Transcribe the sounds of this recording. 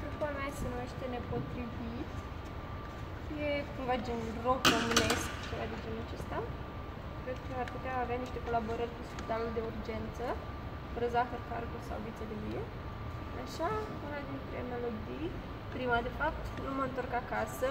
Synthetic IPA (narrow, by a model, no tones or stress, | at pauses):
kɾukuameajesenumeʃt̪ene̞po̞t̪ɾivit̪ | je̞kumvad͡ʒinrokomineskt͡ʃevad̪ed͡ʒenut͡ʃest̪aw | pɾet̪̚əarput̪eaːveaniʃt̪e̞ko̞labo̞ɾərʲkuspit̪ald̪e̞urd͡ʒe̞nt̪sə | vɾəzaxərkarkusa̰wvit̪selevie | aʃa | unad̪int̪ɾḛanalod͡ʒij | pɾimad̪e̞fap̚t̪numəɨnt̪o̞rkakasə